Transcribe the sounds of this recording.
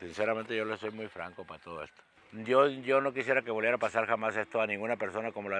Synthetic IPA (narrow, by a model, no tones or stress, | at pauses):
sinseɾament̪e̞ʝo̞leso̞jmujfɾa̰ŋkopaat̪oð̞o̞ḛst̪o | d̪jo̞ʝo̞no̞kisje̞ɾake̞βo̞lβjeɾapasaɾxamase̞st̪oanĩŋɡunape̞ɾso̞nakomoloa